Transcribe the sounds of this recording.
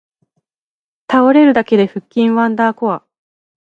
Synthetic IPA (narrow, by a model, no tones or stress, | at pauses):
t̪ao̞ɾe̞ɾɯ̟d̪ake̞d̪e̞ɸɯ̟kʲːĩɰ̃βãnd̪aːko̞βa